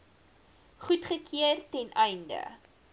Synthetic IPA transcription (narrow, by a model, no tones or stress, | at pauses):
χutχəkʰiərtɛnʔɛjndə̰